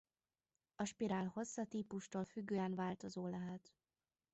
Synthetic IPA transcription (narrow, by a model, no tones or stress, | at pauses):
ɒʃpiɾaːlho̞sːɒt̪iːpuʃt̪oːlfyɡːøːɛnvaːlt̪o̞zoːlɛɦɛt̪